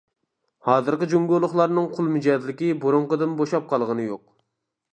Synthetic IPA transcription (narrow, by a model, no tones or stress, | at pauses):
hɑːzɨɾqəd͡ʒoŋɡʲolˠʊχlˠɑɾnɨŋqʰʊlˠmyd͡ʒɛzlɪkʲiboɾʊɴqəd̪ɨnboʃɑp̚qʰɑlˠʁənɨjoq̚